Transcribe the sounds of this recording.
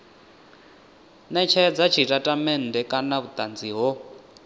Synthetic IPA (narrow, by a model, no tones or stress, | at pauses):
nɛt͡ʃʰɛd͡zat͡ʃʰitʼatʼamɛn̩dɛkʼanaβut̪ʼand͡ziɦɔ